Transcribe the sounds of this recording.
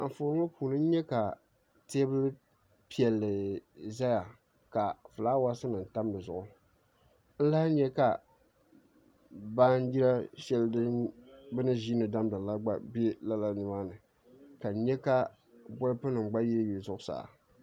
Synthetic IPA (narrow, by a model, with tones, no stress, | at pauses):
a˨ɱ˨fo˨ɾʊ˦ŋo˦puː˨nɨ˦n̩˦ɲɛ˦ka˨ | teː˦bɨ˦l | pi˨ɛ˨lːɨ˨za˦ja˨ | ka˨fɨ˨laː˦wa˦sɨ˦nɨ˨n̩˨ta˦mbɨ˨zʊ˨ʔʊ˦ | n̩˦la˦hɲɛ˦ka˨ | baː˦n˦ji˦ɾa˦ʃɛ˦ldɨ˦bɨ˦nɨ˦ʒiː˦nɨ˨da˦mdɨ˨la˦ɡ͡ba̰˦bɛ˦la˦la˦nɨ˨ma˦nɨ˨ | ka˨˦ɲɛ˦ka˦ | bɔ˦ɾɨ˦pɨ˦nɨ˨ŋ˨ɡ͡ba˦ji˦ɾɨ˦ji˨zʊ˦ʔʊ˦sa̰ː˨